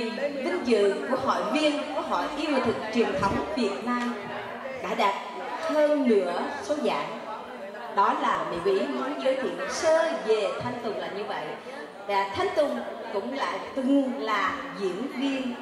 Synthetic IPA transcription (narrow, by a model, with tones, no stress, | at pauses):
t̪ï˨˦ŋ̟zɨ̰˧˨ku˧˩əɦɔ̰˧˨jvi˧ənku˧˩əɦɔ̰˧˨jʔi˧əwt̪ʰɨ˨˩k̚t͡ɕwi˨˩ənt̪ʰə˨˦wŋ͡mvi˨˩ət̚naː˧m | ɗa̰ː˧˩ɗaː˨˩t̚ | həː˧nlɨ̰˧˥əso˨˦za̰ː˧˨n | ɗɔ˨˦laː˨˩mḭ˧˨mḭ˧˥nɔ˨˦jzəː˨˦jt̪ʰḭ˧˨ənsəː˧ve˨˩t̪ʰa˧jŋ̟t̪ʊ˨˩ŋ͡mlaː˧˨˩ɲɨ˧və̰˧˨j | aː˨˩t̪ʰa˨˧jŋ̟t̪ʊ˨˩ŋ͡mkʊ̰˧˥ŋ͡mla̰ː˧˨jt̪ʊ˨˩ŋlaː˨˩zḭ˧˨ənvi˧ən